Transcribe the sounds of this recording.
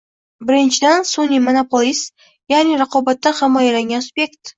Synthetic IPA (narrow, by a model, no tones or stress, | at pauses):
bɪɾɪnʃɪd̪ænsonʲimonopolʲˠis | jaʁniɾɑqobɑt̪ːɑχɑmɑjɾɑŋɡʲanspʲekt̪